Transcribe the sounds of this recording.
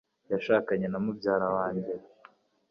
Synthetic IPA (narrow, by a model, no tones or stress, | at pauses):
jaʃaːkaɲe̞namubɟaːɾawaːɲɟeɾ